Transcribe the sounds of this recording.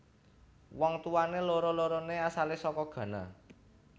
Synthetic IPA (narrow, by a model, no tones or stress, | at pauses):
wɔŋt̪uwaneloɾɔloɾɔneasalesɔkɔɡ̥ä̤na